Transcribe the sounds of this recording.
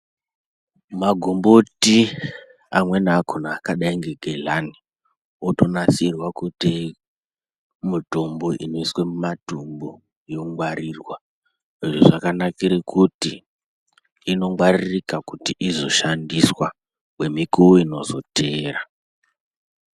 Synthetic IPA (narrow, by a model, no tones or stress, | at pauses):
maɡʱomboti | amwe̞naːkʰonaːkaɗaiŋɡe̞ɡʱelani | oto̞nasirwakute | mutomboʔḭno̞iswemumatumbo | jo̞ŋɡwaɾirwa | eʐoʐakanakiɾekuti | no̞ŋwaririkakutiʔizo̞ʃandiswa | we̞mikuoino̞̰zo̞̰te̞ːɾa